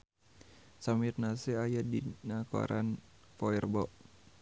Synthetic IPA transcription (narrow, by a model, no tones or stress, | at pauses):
samirnasɛajadinakɔ̰ɾʔa̰nfɔɛrbɔʔ